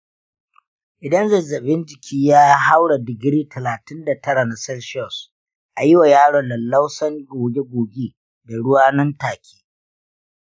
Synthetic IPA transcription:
ʔɪ˨dɐ˦nzɐ˨zɐ˨ɓɪ˦nd͡ʒɪ˨kʲʰiː˦jaː˦ɦa˦wɽa˨dɪ˨ɡɾiː˦tʰɐ˨laː˨tɪ˦nda˨tɐ˦ɽa˨na˨sɐ˦lʃɔ˦˨s | ʔa˨jɪ˦wa˨jaː˦ɽɔ˨nlɐ˨lːa˦wsɐ˦ŋɡoː˨ɡʲe˦ɡʷoː˨ɡʲeː˦ | da˨ɽʊ˦waː˦nɐ˦ntaː˨kʲʰe̥ː˦

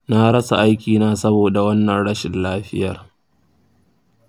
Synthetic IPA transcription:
naː˦ɽɐ˦sa˨ʔa˦jkʲiː˨naː˦sɐ˦boː˨da˨wɐ˦nːɐ˨nɽɐ˦ʃɪ˨nlaː˦ɸɪ˦jɐ˨r

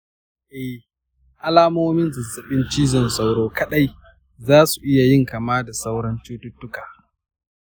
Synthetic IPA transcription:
ʔɛ˦ | ʔa˦laː˦moː˦mɪ˦nzɐ˨zɐ˨ɓɪ˦nt͡ʃiː˦zɔ˦˨nsa˦wɽoː˦kɐ˦ɗa˦j | zaː˦su˨ʔɪ˦ja˨jɪ˦ŋkaː˨maː˦da˨sa˦wɽɐ˦nt͡ʃuː˦tʊ˦tːʊ˦kaː˨

